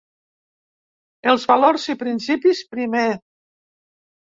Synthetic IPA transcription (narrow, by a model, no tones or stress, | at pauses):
elˠzβaloɾzipɾinsipispɾime